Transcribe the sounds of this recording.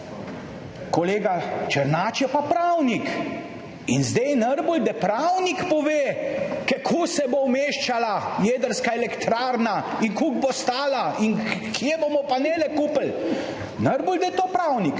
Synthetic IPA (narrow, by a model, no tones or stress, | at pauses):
kɔleːɡat͡ʃəɾnaːt͡ʃjɛpapɾawnik | inzd̪ɛjnəɾbuld̪ɛpɾawnikpɔʋeːkɛkʰusɛbowmeːʃt͡ʃalajeːd̪əɾskaɛlɛkt̪ɾaːɾnaiŋkuɡ̚bost̪aːlainkʰijebomɔpanɛlɛkuːpəl | nəɾbuld̪ɛt̪oːpɾawnik